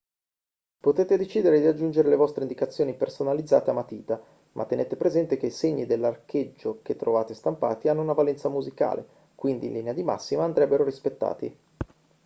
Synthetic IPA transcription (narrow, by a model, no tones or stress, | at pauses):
pot̪eːt̪ed̪et͡ʃiːd̪eɾed̪iad͡ʒːund͡ʒeɾelevɔst̪ɾeind̪ikat̪sːjoːnipersonalid̪za̰ːt̪eamːat̪iːt̪a | mʔa̰t̪ːeneːt̪epɾezɛnt̪ek̟eiseɲːid̪elːarked͡ʒːoket̪ːɾovaːt̪est̪ampa̰ːt̪ianːounavalɛnt̪samuzika̰ːlḛ | kwind̪ḭnlinead̪ima̰sːimaːnd̪ɾɛbːeɾoɾispet̪ːa̰ːt̪ḭ